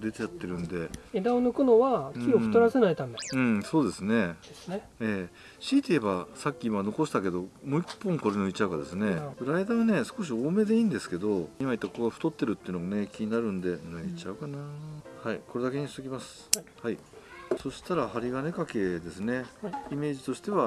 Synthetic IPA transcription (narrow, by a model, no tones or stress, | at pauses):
d̪e̞t̪ejat̪ːe̞ɾɯ̟̃nd̪e̞ed̪aonokɯ̟noβakʲioɸɯ̟̥t̪oɾasenait̪ãnd̪aɯ̟̃ɴso̞ːd̪e̞sɨne̞e | eː | ɕiːt̪e̞ebasakʲːiimano̞ko̞ɕi̥t̪ake̞d̪o̞moipːõ̞ŋko̞ɾe̞nɯ̟it͡ɕaɯ̟ka̰d̪e̞sɨne̞ɾaid̪aːβane̞sɨ̥ko̞ɕ̬io̞ːme̞d̪e̞iːnd̪e̞sɨ̥ke̞d̪o̞imait̪ːakoɡaɸɯ̟̥t̪o̞t̪ːe̞ɾɯ̟t̪ːeɯ̟noɡamne̞kʲiɲ̟inaɾɯ̟̃nd̪e̞nɯ̟it͡ɕaɯ̟kanahaiko̞ɾe̞d̪ake̞ɲ̟ist̪okʲimasɨ̥hai | so̞ɕi̥t̪aɾahaɾʲiɡane̞kake̞d̪e̞sɨne̞ime̞ːʑit̪o̞ɕi̥t̪e̞βa